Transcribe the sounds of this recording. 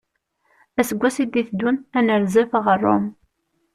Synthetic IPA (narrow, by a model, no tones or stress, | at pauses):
æsəɡʷːæsid̪iθd̪unænəɾzəfʁərˤːo̰m